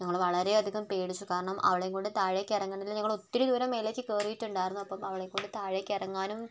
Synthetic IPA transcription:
ɲɐŋːɐɭʋɐɭɐɾe̞ɐd̪ʱiɣɐmpe̞ːɽit͡ɕːukaːɾɐɳɐmʔɐ̰ʋiɭejuŋkoːɳɖɨt̪aːɻekʲːirɐŋːɐɳɖilɲɐŋːɐɭo̞t̪ːiɾud̪uːɾɐmːeːleːkʲːɨkeːrujitːuɳɖaːjiɾunːuɐpːɐmɐʋiɭejuŋkoːɳɖɨt̪aːɻekʲːirɐŋːaːnum

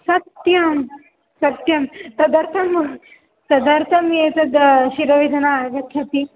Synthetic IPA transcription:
sɐt̪jɐm | sɐt̪jɐmsɐd̪ɐɾt̪ʰɐm | t̪ɐd̪ɐɾt̪ʰɐmjet̪ɐd̪ɕiɾɐʋid̪ʱɐnaːɡɐt̪ʰjat̪i

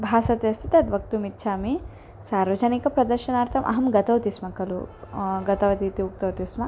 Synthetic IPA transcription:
bʱaːsɐt̪est̪ʰit̪eɐt̪ʋɐkt̪umit̪ːʃʰaːmi | saːɾʋɐd͡ʒanikɐpɾɐd̪ɐɾʃɐnaːɾt̪ʰɐmʔɐ̰ɦɐmɡɐt̪ɐwt̪ismɐkɐlṵɡɐt̪ɐʋɐd̪iːt̪iuk̚t̪ɐwt̪ismɐ

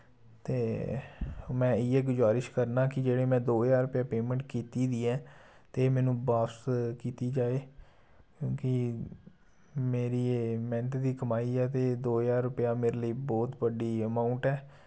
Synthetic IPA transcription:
t̪eː | mɛ̃ːɪːɛːɡʊzaːɾɪʃkəɾnaːkɪd͡ʒeːɽeːmɛ̃ːd̪oːjaːɾʊpɪjaːpeːmɛ̃ɳʈkiːt̪iːd̪iːɛː | t̪eːmɛ̃ːnũːbaːpskiːt̪iːd͡ʒaːeː | kjõːkɪ | meːɾiːmɛ̃ːnət̪d̪iːkəmaːiːɛːt̪eːd̪oːjaːɾːʊpɪjaːmeːɾeːləiːbɔːt̪bəɖiːəmaːʊ̃ɳʈɛː

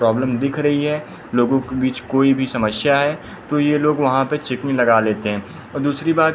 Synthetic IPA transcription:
ɾɔːbləmd̪ɪkʰɾɐɦiɦɛ | loːɡõkebiːt͡ʃkoːibʱisɐməsjaɦɛ | t̪ojeloːɡʋɐɦãpet͡ʃɪknilɐɡaleːt̪eɦɛ̃ː | ɔːɾd̪uːsɾibaːt̪

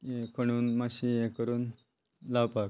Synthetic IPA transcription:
ekʰəɽ̃uːnmaɕiekəɾuːn | lawpak

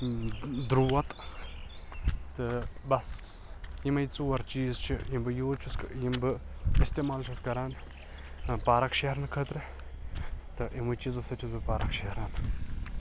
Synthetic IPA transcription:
d̪ɾuːɐt̪ | t̪ɨbɐs | jimɐjt͡suwɐɾt͡ʃiːzt͡ʃʰijimbɨjoːt͡ʃʰuskjimbɨist̪emaːlt͡ʃʰuskɐɾaːn | paːɾɐkʃeɦɾnkʰət̪ɾɨ | t̪ɨʔimɨt͡ʃizɨsɐt͡ʃʰizɨpaːɾɐkʃehɾaːn

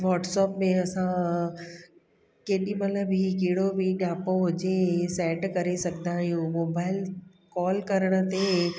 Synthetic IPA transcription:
ʋɔːʈsɔːpmẽɐsã | keːɗimɐt̪ləbʱikiːɽobʱiɗaːpoɦʊd͡ʑesɛːʈkɐɾesɐɡd̪aːɦijũmoːbaːɪl | kɔːlkɐɾəɽ̃ə̆t̪e

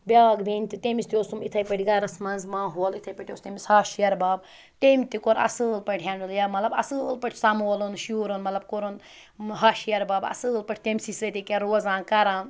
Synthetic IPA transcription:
bʲaːɡbenʲt̪it̪emist̪ioːsumit̪ʰɐjpɐʈʲiɡaɾɐsmɐnzmãːɦoːlit̪ʰɐjpɐʈʲiost̪eːmisaːʃjɐɾbaːb̚ | t̪emʲt̪ikoɾɐ̰sɨlpɐʈʰʲɦʲjaɳɖɨljamɐt̪lɐbɐ̰sɨlpɐʈʲʰsamoːlonʃuːɾonmɐt̪lɐbkoɾon | ɦaːʃijɐɾbaːbɐ̰sɨːlpɐʈʰʲt̪emʲsisɾɐt̪ikʲeɾoːzãːnkɐɾãːn

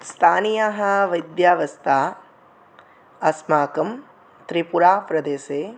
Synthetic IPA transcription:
st̪ʰaːnijaɦɐʋɐjd̪jaːʋɐst̪ʰaː | ɐsmaːkɐm | t̪ɾipuɾaːpɾɐd̪eːseː

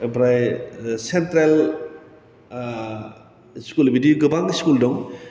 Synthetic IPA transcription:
bɾajsentɾel | skulbʱidioɡɯbaŋskuldɔŋ

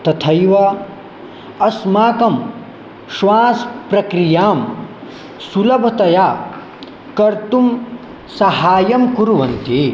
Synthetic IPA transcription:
t̪ɐt̪ʰɐjʋɐ | ɐsmaːkɐm | ʃʋãːspɾɐkɾijaːm | sulɐbʱɐt̪ɐjaː | kɐɾt̪um | sɐɦaːjɐmkuɾuʋɐnt̪i

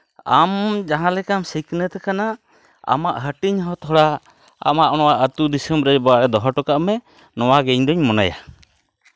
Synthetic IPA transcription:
a̰md͡ʒaɦãlɛkamsiknət̪ɛkana | a̰maʔɦəʈiɲɦɔ̃t̪ʰɔɽa | a̰maʔɔñɔwaʔət̪ud̪isəmbɾɛbɔaʔɾɛd̪ɔɦɔʈɔkaʔmɛ | nɔwaɡɛɲd̪ɔɲmɔna̰ja̰

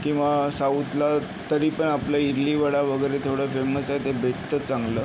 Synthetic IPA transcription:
kĩw̃ʋasaut̪la | t̪əɾiːpəɳaplaiɾliːʋəɽaʋəɡəjɾet̪ʰoɽəfeməsajt̪ebʱeʈt̪ət͡saŋɡləː

